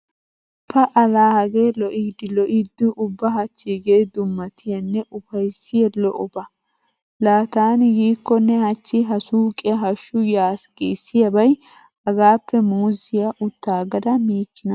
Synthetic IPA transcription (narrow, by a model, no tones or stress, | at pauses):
pɐʔɐlaːhɐɡeːlɔʔiːd̪ɪlɔʔiːd̪ːʊʔʊbːɐɦɐt͡ʃːiɡeːd̪ʊmːɐt̪ɪjɐnːɛʔʊfɐjsːɪjɛlɔʔɔbɐ | laːt̪aːnɪɡiːkːɔnːɛhɐt͡ʃːɪɦɐsuːkʼɛɦɐʃːʊjaːsɡiːsːɪjɐbɐj | hɐɡaːpːɛmuːzɪjɐʔʊt̪ːaːɡɐd̪ɐmiːkːɪnɐ